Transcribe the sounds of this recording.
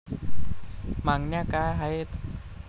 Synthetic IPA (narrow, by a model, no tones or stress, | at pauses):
maŋnakaɦajt̪